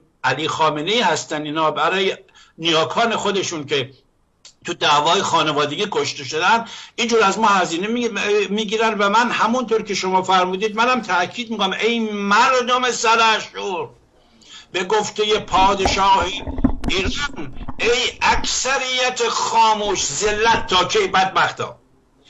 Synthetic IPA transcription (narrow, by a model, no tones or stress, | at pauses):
ʔæliːxɒːmeneiːhæst̪æniːnhɒːbæɾɒːje | nijɒːkʰɒːne̞xod̪e̞ʃunkʰe | t̪ʰud̪æːvɒːjexɒːnevɒːd̪e̞ɡiːkʰoʃt̪e̞ʃo̞d̪ænd̪ind͡ʒuːɾæzmɒːhæziːnemiːɡiːɾænvæmænhæmunt̪ʰoːɾkʰe̞ʃomɒːfæɾmuːd̪iːd̪̚mænæmt̪ʰæʔkʰiːd̪̚miːkonæmʔejmæɾd̪ome̞sælæʃuːɾ | beɡoft̪e̞je̞pʰɒːd̪eʃɒːhiːiːɾɑnejæksæɾijːæt̪ʰexɒːmuːʃzelːæt̪ʰːɒːkʰejbæd̪̚bæxt̪ɒ̰ː